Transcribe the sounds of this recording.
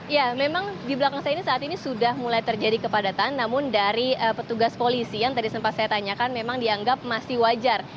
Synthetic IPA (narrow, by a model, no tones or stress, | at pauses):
ijamemaŋdibəlakaŋsajainisaːt̪inisudahmulajt̪ərd͡ʒadikəpadat̪anːamʊndaɾiəpət̪uɡaspolisijaŋt̪adisəmpat̪sajat̪aɲakanmemaŋdiaŋɡap̚masɪhwad͡ʒar